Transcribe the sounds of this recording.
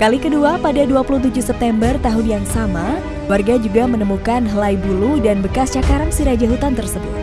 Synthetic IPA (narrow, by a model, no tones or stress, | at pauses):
kalikəduapadaduapulut̪ud͡ʒusɛp̚t̪ɛmbərt̪aɦʊnjaŋsama | warɡad͡ʒuɡamənəmukanɦəlajbuludanbəkast͡ʃakaɾaŋsiɾad͡ʒaɦut̪ant̪ərsəbuut̪̚